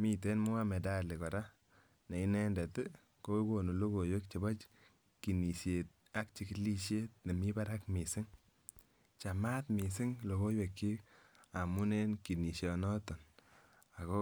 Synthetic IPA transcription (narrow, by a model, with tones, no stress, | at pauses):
mi˦t̬e˦nmʊ˦a˦me˨da˦˨li˨kɔ˨ɾa˦ | ne˨i˦nɛ˦ndɛ˨t | ko˦ko˨nu˨lo˦ko˨jwe˦k̚t͡ʃi˨bɔ˦t͡ʃ | ki˨ni˨sje˨t̚ | a˦k̚t͡ʃi˨ki˦li˦ʃe˦t̚ne˨mi˦ba˦ɾa˦kmi˨sɪ˦ŋ | t͡ʃa˨ma˦tmi˨sɪ˦ŋlo˨ko˦jwe˨kːi˦ | a˨mu˦ne˦nki˨ni˨ʃɔ˨nɔ˦tɔ˨n | a˨ko˦